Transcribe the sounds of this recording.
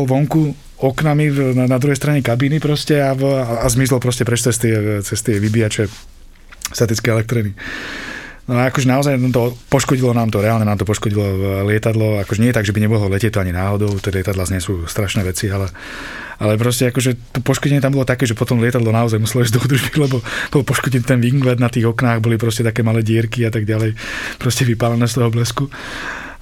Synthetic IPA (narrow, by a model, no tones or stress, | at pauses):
alʋɔŋku | ɔknaminanad̪ɾuɦɛjst̪ɾaɲɛkabiːnipɾɔscɛaaazmizlɔpɾɔscɛpɾɛt͡ʃt͡sɛst̪ɪɛt͡sɛst̪ɪɛʋibiat͡ʃɛ | st̪at̪it͡skɛɛlɛk̚t̪ɾini | nɔaakɔʒɛnaɔzajnamt̪ɔpɔʃkɔɟilɔnaːmt̪ɔɾɛalɲɛnaːmt̪ɔpɔʃkɔɟilɔlɪɛt̪ad̪lɔakɔʒɛɲɪɛjɛt̪aɡʒɛbiɲɛbɔɦlɔlɛcɛc̚t̪ɔaɲinaːɦɔd̪ɔʊt̪ɛlɪɛt̪ad̪lazɲɛsuːst̪ɾaʃnɛːʋɛt͡sialɛ | ʔalɛp̬ɾɔscɛakɔʒɛt̪ɔpɔʃkɔɟɛɲɪɛt̪ambɔlɔt̪akɛːʒɛpɔt̪ɔmlɪɛt̪ad̪lɔnaɔzajmusɛlɔizd̪ɔud̪ɾ̩ʒbilɛbɔb̥ɔlpɔʃkɔɟint̪ɛnʋiŋɡlɛd̪nat̪iːɣɔknaːɣbɔlip̬ɾɔscɛt̪akɛːmalɛːɟɪɛɾkiat̪aɡɟalɛjpɾɔscɛʋipalanɛːst̪ɔɦɔblɛsku